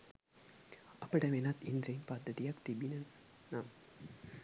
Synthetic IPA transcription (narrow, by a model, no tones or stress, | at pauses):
ɐpːɐɽɐʋenɐt̪ind̪ɾɐnpɐd̪ʱːɐt̪ijɐkt̪ibinɐ | nam